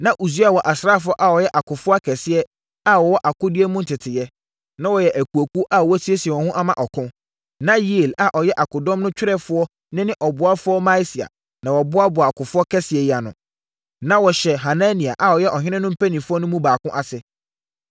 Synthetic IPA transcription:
nã˦ʔu˨s̬u˦a˨wɔ˨ʔa˨sɾaː˦˨fʊ˦ɔ˦ʔa˨wɔ˨jɛ˦ʔa˨kʰʊ˨fʊ˦a˦kʰɛ˨sɪ˦ɛ˦ | a˨wɔ˨wɔ˦ʔa˨kʊ˦dɪ˦ɛ˦mũ˦n̩˨tʰɪ˨tʰɪ˨jɛ˦ | nã˦wɔ˨jɛ˨ʔæ˨kʰu˨o˨kʰu˦ʔa˦˨wɔ˦tʰi˦e˦si˨ɛ˨wɔ̃˨hʊ̃˦ʔa˦mã̰˨ʔɔ˨kʰʊ̃˦ | nã˦ji˦˨la˨ʔɔ˨jɛ˦ʔa˨kʊ˨dɔ̃˦mnʊ̃˦t͡ɕᶣɾɛ˦fʊ˦ɔ˦ | nɪ̃˦nɪ̃˦ʔɔ˨bʊ˨a˦fʊ˦ɔ˦mã˦si˨a̰˨ | nã˨wɔ˨bʊ˦a˦bʊ˨a˨kʊ˨fʊ˦ɔ˦kʰɛ˦sɪ˨ɛ˨ja˨nʊ̰̃˨ | nã˦wɔ˨ɕɛ˨ɦa˨nã˦nĩ˨a˨ʔa˨ɔ˨jɛ˦ʔɔ˨ɦɪ̃˦nɪ̃˦nʊ̃˦m̩˦pʰæ˦nĩ˨fʊ˦ɔ˦nʊ̃˦mũ˦baː˨kʊ̃˦ʔa˨sɪ˨

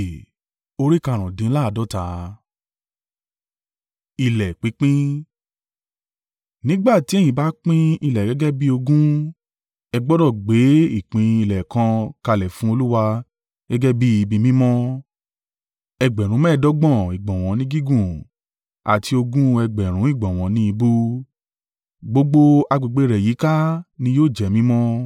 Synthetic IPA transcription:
o˦˧ɾi˦ka˧˨ɾ̃ɔ̃˨dĩ˨˦la˦˧dɔ˦ta˨˦ | i˧˨lɛ˨k͡pi˨˦k͡pĩ˦ | nĩ˦ɡ͡ba˦˨ti˨˦ɛ˦j̃ĩ˧˨ba˨˦k͡pĩ˦i˧˨lɛ˨ɡɛ˨˦ɡɛ˦bi˦o˧ɡũ˦ | ɛ˧ɡ͡bɔ˦dɔ˦˨ɡ͡be˨˦i˦˨k͡pĩ˨˧i˧lɛ˨kã˧ka˧˨lɛ˨fũ˦o˧lu˦wa˧ | ɡ̥ɛ˦ɡɛ˦bi˦i˧bi˧mĩ˦mɔ̃˦ | ɛ˧ɡ͡bɛ˨ɾ̃ũ˨˦mɛ̃˦˨dɔ˦ɡ͡bɔ̃˦˨i˨ɡ͡bɔ̃˨w̃ɔ̃˨˦nĩ˦ɡi˦ɡũ˦˨ | a̰˨tʰi˧o˧ɡũ˦ɛ˧ɡ͡bɛ˨ɾ̃ũ˨˦i˦˨ɡ͡bɔ̃˨w̃ɔ̃˨˦nĩ˦i˧bu˦ | ɡ͡bo˨˦ɡ͡bo˦a˧ɡ͡bi˧˨ɡ͡be˨˦˧ɾɛ˨ji˨˦ka˦nĩ˧joː˦˨d͡ʒɛ˨mĩ˦mɔ̃˦

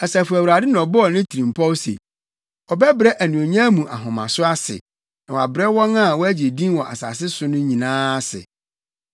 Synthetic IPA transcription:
ɛ˨sa˨fu˨æ˨wu˨ɾa˨dɪ˦nã˨ɔ˨bɔ˦ɔ˨nɪ̃˦tʰi˨ɾĩ˨mpʰɔ˦wsḛ˨ | ɔ˨bɛ˦bɾɛ˦ʔæ˨nũ˨o˨ɲã˦mũ˨ʔa̰˨ɦɔ̃˨mã̰˨sʊ˦a˦sɪ̰˨ | nã˨wa̰˨bɪ˨ɾɛ˦wɔ̃˦na˦˨wɔ˦æ˦d͡ʑe˨dĩ˦wɔ̃˨ʔa̰˨sa̰ː˨s̬ɪ˦sʊ˦nʊ̃˦ɲĩ˨nãː˦sɪ̰˨

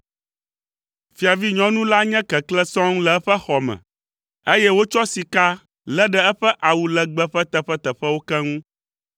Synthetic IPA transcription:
fi˨a˨vi˦ɲɔ̃˦nũ˦la˦ɲɛ̃˦kɛ˨klɛ˦sɔ̃˦ŋ˦lɛ˨ɛ˦ɸɛ˦xɔ˨mɛ̰̃˨ | e˦jɛ˦wo˦t͡ʃɔ˦si˨ka˦ | lɛ˦ɖɛ˦ɛ˦ɸɛ˦ʔa˨wu˨lɛ˨ɡ͡bɛ˦ɸɛ˦t̪ɛ˨ɸɛ˦t̪ɛ˨ɸɛ˦wo˦kɛ˦ŋũ˦

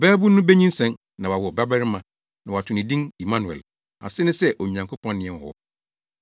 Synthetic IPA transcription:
bɛː˦bu˦nːʊ̃˦bɛ˦ɲĩ˦n˦sɛ̃˦n | nã˨wa˨wʊ˨ɔ˨ba˦bɛ˦ɾɪ˦mã˨ | nã˨wa˨tʰʊ̃˨nɪ̃˨dĩ˦ni˨mã˦nu˨ɛ̰˨l | a̰˨sɪ˦nɪ̃˦sɛ˦ʔo˨ɲã˨ŋkʰo˦pʰɔ̃˦n˦nɪ̃˨ɛ̃˨n˨hɔ̰˦

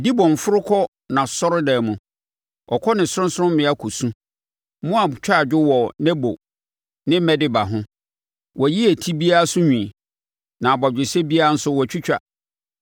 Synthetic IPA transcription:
di˦bɔ̃˨ɱ˨fʊ˦ɾʊ˦kʰɔ˦ | nã˨sɔ˦ɾʊ˦dɛː˨mũ˨ | ɔ˨kʰɔ˦nɪ̃˨sʊ˦ɾʊ̃˦sʊ˦ʊ̃˦m̩˦mɪ̃˦a˦kʰo˨sũ˦ | mũ˦a˨bt͡ɕᶣa˦˨d͡ʑᶣʊ˦wɔ˨nɛ˦bo˨ | nɪ̃˦m̩˦mɛ˦dɪ˦ba˨ɦʊ̃˦ | wʔɔ˨ji˦æ˨tʰi˦bi˦a˦a˦sʊ˦ɲᶣĩ˨ | nã˨ba˨d͡ʑᶣɪ˨sɛ˦bi˦a˦a˦n̩˦sʊ˦wɔ˨t͡ɕʰᶣi˦t͡ɕᶣa̰˨

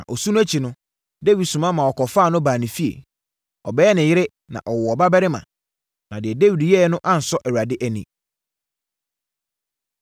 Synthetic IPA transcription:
nã̰˨ʔɔ˨su˦nʊ̃˦æ˦t͡ɕʰi˨nʊ̃˦ | de˦wi˨dsũ˨mã˦mã˨ɔ˨kɔ˨fa˦˨nʊ̃˦baː˨nĩ˨fi˦ḛ˨ | ɔ̰˨bɛː˦ɛ˦nɪ̃˨jɪ˦ɾɪ˦ | nã̰˨ʔɔ˨wɔ˨ɔ˨ba˦bɛ˦ɾɪ˦mã̰˨ | nã˨dɪ˨ɛ˨de˦wi˨djɛ˦nʊ̃˦ʔã˦n̩˨sɔ˦ʔɛ˨wa˨dɪ˦ʔæ˨nḭ̃˨

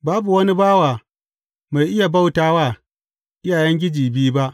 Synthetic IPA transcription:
baː˦bu˨wɐ˦ni˦baː˦waː˨ | ma˨jʔɪ˦ja˨ba˦wtaː˦waː˦˨ | ʔɪ˦jaː˨jɛ˦ŋɡʲɪ˦d͡ʒiː˨biː˦ba˦ʔ

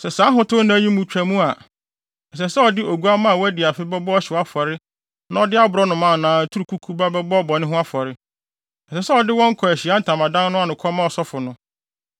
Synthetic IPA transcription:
sɛ˨sãː˨˦ɦʊ̃˦tʰʊ˦nã˦ji˦mũ˨t͡ɕᶣæ˨mũ˦a˨ | ɛ˨sɛ˨sɛ˦ɔ˨dɪ˦ʔo˨ɡu˨˦a˦mã˦a˨wɔ˦æ˦di˨a˨fɪ˦bɛ˦bɔ˦ɔ˦ɕɪ˨wa˦fɔ˨ɾɪ˦ | nã˦ɔ˨dɪ˦a˦bʊ˨ɾɔ˦nʊ̃˨mã˨nãː˨tʰu˦ɾu˨kʰu˦kʰu˦ba˦bɛ˦bɔ˦ɔ˦bɔ˨nɪ̃˦ɦʊ̃˦a˦fɔ˨ɾɪ˦ | ɛ˨sɛ˨sɛ˦ɔ˨dɪ˦wɔ̃˦ŋ̩˦kʰɔ˨æ˨ɕi˨a˦n̩˦tʰã˨mã˨dã˦n˦nʊ̃˦a˨nʊ̃˨kʰɔ˦mã˦ɔ˨sɔ˦fʊ˨nʊ̃˦

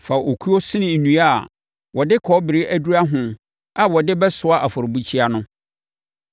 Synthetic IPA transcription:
fa˨ʔo˨kʰu˦o˦sɪ̃˦nɪ̃˨nũ˨a˦˨ | wɔ˨dɪ˦kʰɔ˨˦bɪ˨ɾɪ˦ʔæ˦du˦ɾa˦ɦʊ̃˨ | a˨wɔ˨dɪ˦bɛ˦sʊ˨˦a˦ʔa˨fɔ˨ɾʊ˨bu˦t͡ɕʰi˦a˦nʊ̃˦

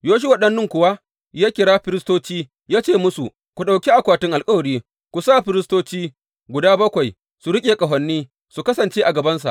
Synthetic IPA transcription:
joː˦ʃ̬i˦wɐ˦ɗɐ˦nːʊ˦ŋkʷʊ˨wa˦ | jaː˦kʲɪ˨ɽaː˦ɸɪ˦ɾɪ˦stoː˦t͡ʃiː˦ | jaː˦t͡ʃeː˦˨mʊ˦su˨ | kʷu˨ɗa˨wkʲi˦ʔa˨kʷaː˨tɪ˦ŋʔa˨lkʼɐ˦wɐ˨ɽiː˦ | kʷu˨saː˦˨ɸɪ˦ɾɪ˦stoː˦t͡ʃiː˦ | ɡʷʊ˨daː˦bɐ˦kʷa˨j | su˨ɽɪ˦kʲʼeː˨kʼɐ˨ɦɐ˨nːiː˦ | su˨kɐ˦sɐ˨nt͡ʃe˦ʔa˨ɡɐ˨bɐ˦nsa̰˨ʔ

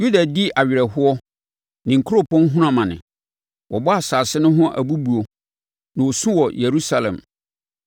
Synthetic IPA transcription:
ju˦da˨di˦ʔa˨ɥɪ˨ɾɛ˨ɦʊ˦ɔ˦ | nɪ̃˨ŋ̩˨kʰu˦ɾo˦pʰɔ̃˦n˦ɦũ˦ɾã˨mã˨nɪ̰̃˨ | wɔ˨bɔ˦a˨saː˨sɪ˦nʊ̃˦ɦʊ̃˦ʔæ̰˨bu˦bu˨o˨ | nã˨o˨sũ˦wɔ˨je˨ɾu˦sa˦lɛ̰̃˨m

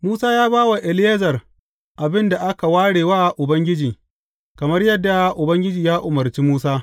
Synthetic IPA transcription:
muː˦saː˦jaː˦baː˦wa˨ʔɪ˨lɪ˦je˦zɐ˨r | ʔa˨bɪ˦nda˨ʔa˦ka˨waː˦ɽeː˨waː˦˨ʔʊ˨bɐ˦ŋɡʲɪ˦d͡ʒiː˨ | kɐ˨mɐ˦rjɐ˦dːa˨ʔʊ˨bɐ˦ŋɡʲɪ˦d͡ʒiː˨jaː˦ʔʊ˨mɐ˨rt͡ʃiː˦muː˦saː˦

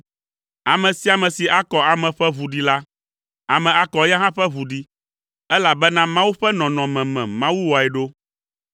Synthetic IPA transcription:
a˨mɛ̃˨si˨˦a˨mɛ̃˨si˨ʔa˦kɔ˨a˨mɛ̃˨ɸɛ˦vu˨ɖi˨la˦ | a˨mɛ̃˨a˦kɔ˨˦ja˦ɦã˦ɸɛ˦βu˨ɖi˦ | ɛ˦la˨bɛ˦nã˦mã˦wu˦ɸɛ˦nɔ̃˨nɔ̃˨mɛ̃˨mɛ̃˨mã˦wu˦wɔ˨ɛ˨ɖo˦

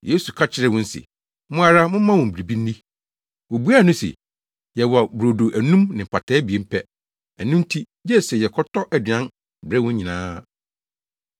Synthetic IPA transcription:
je˦su˨kʰa˦t͡ɕʰɪ˦ɾɛ˦˨wʊ̃˦n̩˦sɪ̰˨ | mʊ̃˦a˦ɾa˦mʊ̃˦mã˦wɔ̃˨m̩˨bi˨ɾi˨bi˦n̩ː˦i˦ | wɔ˨bu˦a˦˨nʊ̃˦sɛ̰˨ | jɛ˨wbɾo˨do˨ʔæ˨nũ˦mnɪ̃˨m̩˨pʰa˨tʰɛː˦bi˨e˦m̩˦pʰɛ˦ | æ˨nʊ̃˦n˦tʰi˦ | d͡ʑɛ˦˨sɛ˨jɛ˨kʰɔ˦tʰɔ˦ʔæ˨dɪ˨ã˦n | bɾɛ˦wʊ̃˦ɲĩ˨nãː˦

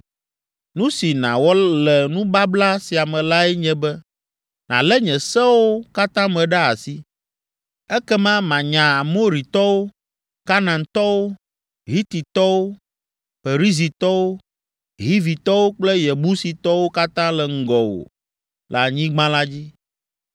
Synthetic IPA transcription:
nũ˦si˨nã̰˨wɔ˦lɛ˨nũ˦ba˦bla˦si˨a˨mɛ̃˨la˦ɛ˦ɲɛ̃˦bɛ˦ | nã̰˨lɛ˦ɲɛ̃˨sɛ˦wo˦ka˦t̪ã˦mɛ̃˨ɖa˦a˨si˦ | ɛ˦kɛ˦mã˦mã˨ɲã˨a˨mo˦ɾi˨t̪ɔ˦wo˦ | ka˦nã˨nt̪ɔ˦wo˦ | ɦi˦t̪i˨t̪ɔ˦wo˦ | fe˨ɾi˦zi˨t̪ɔ˦wo˦ | ɦi˦vi˨t̪ɔ˦wo˦k͡plɛ˦jɛ˨bu˦si˨t̪ɔ˦wo˦ka˦t̪ã˦lɛ˨ŋ̩˦ɡɔ˨wo̰˨ | l̰a˨ɲĩ˦ɡ͡bã˦la˦d͡ʑi˦

